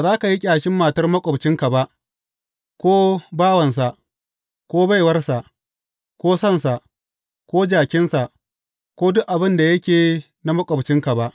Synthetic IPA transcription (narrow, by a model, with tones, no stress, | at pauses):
ba˨zaː˦ka˨ji˦kʲʼaː˨ʃɪ˦mːaː˨tɐ˦rmɐ˦kʷʼɔ˨bt͡ʃɪ˦ŋka˨ba˦ʔ | kʷoː˦baː˦wɐ˨ns̬a˨ʔ | kʷoː˦ba˦jwɐ˦rsa˨ʔ | kʷoː˦sɐ˦˨nsa˨ʔ | kʷoː˦d͡ʒaː˨kʲɪ˦nsa˨ʔ | kʷoː˦dʊ˦ʔʔa˨bɪ˦nda˨jɐ˦kʲeː˨ | na˦mɐ˦kʷʼɔ˨bt͡ʃɪ˦ŋka˨ba˦ʔ